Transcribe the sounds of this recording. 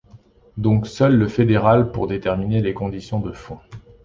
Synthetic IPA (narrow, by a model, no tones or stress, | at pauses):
d̪ɔ̃ksœlːəfed̪eʁalpṵʁd̪et̪ɛʁminelekɔ̃d̪isjɔ̃d̪əfɔ̃